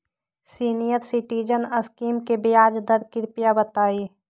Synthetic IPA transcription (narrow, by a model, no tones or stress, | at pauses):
siːnijəɾsɪʈiːd͡ʒənəskiːmkebɪjaːd͡ʒd̪əɾkɪɾpɪjabət̪aːiː